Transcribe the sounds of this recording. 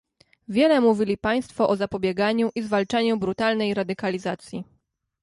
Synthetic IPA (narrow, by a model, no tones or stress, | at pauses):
vʲjɛlɛmuvʲilʲipaj̃st̪fɔʔɔzapɔbʲjɛɡaɲuʔizvalt͡ʂaɲubɾut̪alnɛjɾad̪ɘkalʲizat̪sʲji